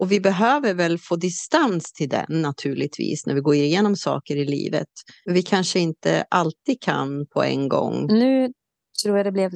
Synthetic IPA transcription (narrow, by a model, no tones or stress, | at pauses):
ʔɔvɪbɛɦøːvəɾvɛlfoːd̪ɪst̪anst̪ʰɪld̪ɛ̰nːat̪ʰʉ̟ːɭɪt̪ʰvḭːsnæ̰ɾvɪɡoːɾɪɾɪjeːnɔmsɑ̰ːkəɾɪlḭːvə̰t̪œvɪkʰanʂəɪnt̪ə̰ʔalt̪iːd̪̚kʰa̰npʰɔɛ̰nɡɔ̰ŋːnʉ̟ː | t̪ʰɾuːjad̪ɛblɛv